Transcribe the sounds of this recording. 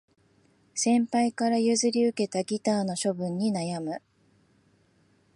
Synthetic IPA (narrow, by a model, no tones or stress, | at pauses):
sẽ̞mpaikaɾajɯ̟zɨɾʲiɯ̟ke̞t̪aɡʲit̪aːno̞ɕo̞bɯ̟̃ɲ̟ːinajamɯ̟